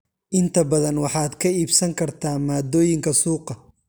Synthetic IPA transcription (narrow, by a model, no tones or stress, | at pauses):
ʔɪnt̪ʰɐbɐðɐnwɑħɑːd̪kʰɐiːbsɐŋkʰɐrt̪ʰaːmaːd̪ɔːjɪŋkʰɐsuːqɐ